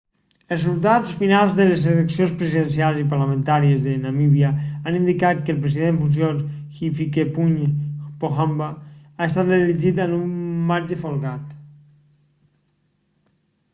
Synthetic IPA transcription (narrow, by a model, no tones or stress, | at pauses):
əlrzulˠt̪at͡ssfinalˠzðəlezələksionspɾəziðənsialˠzipaɾlamə̃nt̪aɾiəzðənamiβiaanind̪ikat̪̚kəlˠpɾəziðeɱfuns̬jonxifikepuɲpoxambaaest̪at̪relid͡ʒit̪anumːaɾd͡ʒəfolˠɣat̪